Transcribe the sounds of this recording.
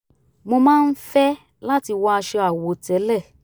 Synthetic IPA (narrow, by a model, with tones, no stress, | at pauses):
mo˧mãː˦˧˦n̩˦fɛ˦ | la˦ti˧wɔ˧˦a˧ʃe˧a˨wo˨tɛ˨˦lɛ˦˨